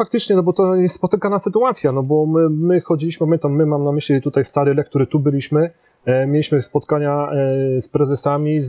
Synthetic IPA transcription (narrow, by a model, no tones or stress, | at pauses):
fak̚t̪ɘt͡ʂɲɛnɔbɔt̪ɔɲɛspɔt̪ɘkanaɘt̪uat̪sʲjanɔbɔmɘmɘxɔd͡ʑilʲiɕmɘpamʲjɛnt̪amːɘmamnamɘɕlʲit̪ut̪ajst̪aɾɘlɛk̚t̪uɾɘt̪ubɘlʲiɕmɘ | mʲjelʲiɕmɘspɔt̪kaɲaspɾɛzɛsamʲiz